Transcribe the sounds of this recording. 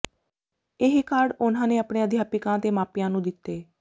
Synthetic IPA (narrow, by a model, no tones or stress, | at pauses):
ɪɦkaɾɖʊnãːneːəpɳeːəd̪ʱjaːpɪkãːt̪eːmaːpijãːnũːd̪ɪt̪ːeː